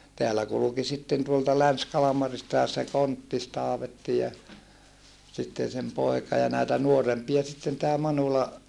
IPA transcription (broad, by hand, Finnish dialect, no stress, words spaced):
teælːæ kuluki sitːen tuoltɑ lænskɑlɑmɑristɑˑes se kontːistɑːʋetːi jɑ sitːen̞ sem poekɑ jɑ næˑitɑ nuorempiɑ sitːen tæː mɑnulɑ